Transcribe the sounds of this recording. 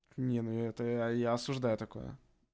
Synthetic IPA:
nʲenujɛt̪əjaɐsʊʐd̪ajʊt̪ɐko̞̰jə̰

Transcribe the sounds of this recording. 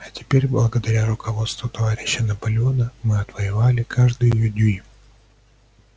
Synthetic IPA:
ɐtʲɪ̥pʲeɾʲblˠəɡəd̪ɐɾʲaɾʊkʰɐvo̞t̪st̪vʊt̪ɐvaɾʲɪɕːənɐpɐlʲɪo̞nəmɨɐt̪vəjɪvalʲɪkʰaʐd̪ɨjjɵdʲuj

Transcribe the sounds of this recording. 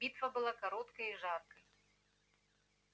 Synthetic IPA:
bʲit̪vɐbɨlˠakaɾɔt̪kɐjiʐarkɐj

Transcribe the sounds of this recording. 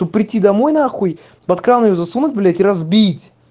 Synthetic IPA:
t̪ob̚pːɾʲɪtʲːid̪ɐmo̞jnɐaxuj | bɐt̪kɾanjozɐsunʊt̚ʲblʲætʲɪɾɐzbʲitʲ

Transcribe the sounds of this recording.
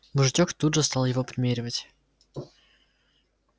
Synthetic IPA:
mʊʐɨt͡ɕʲokt̪udʐɨst̪ɑlˠjɪvopɾʲɪmʲeɾʲɪvətʲ

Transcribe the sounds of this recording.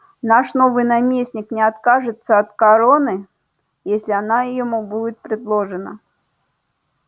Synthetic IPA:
naʂnovɨjnamʲesʲnʲɪknʲɪɐt̪kaʐɨt̪sːəɐt̪kɐɾonɨ | jesʲlʲɪanajɪjɪmubudʲɪt̪̚pɾʲɪd̪lˠoʐɨnə̰

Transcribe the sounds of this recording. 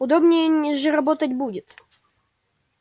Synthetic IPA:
ʊd̪obnʲɪjənʲɪʐɨɾɐbo̞t̪ətʲbudʲɪt̪

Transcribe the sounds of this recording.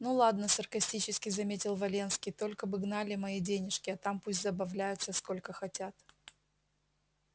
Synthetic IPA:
nulˠad̪nəsərkɐsʲtʲit͡ɕɪskʲɪzɐmʲetʲɪlˠvɐlʲe̞nskʲɪjt̪o̞lʲkəbɨɡnalʲɪmɐidʲenʲɪʂkʲɪɐt̪ampusʲtʲzəbɐvlʲæjʊt̪səsko̞lʲkəxɐtʲat̪

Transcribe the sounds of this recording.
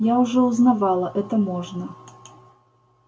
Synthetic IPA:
jaʊʐɛʊznavalˠəʔɛt̪əmoʐnə

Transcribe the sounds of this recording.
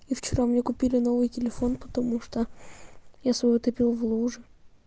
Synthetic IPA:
ift͡ɕɪɾamnʲekʊpʲilʲɪno̞vɨjtʲɪlʲɪfo̞npə̥t̪ɐmuʂt̪o | jasvɐjot̪ɐpʲilˠvlˠuʐɨ

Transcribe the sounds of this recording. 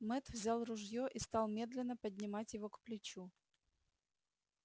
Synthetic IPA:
mɛt̪vzʲalˠrʊʐjoʔist̪ɑlˠmʲe̞d̪lʲɪnːəpədʲnʲɪmatʲjɪvokplʲɪt͡ɕu

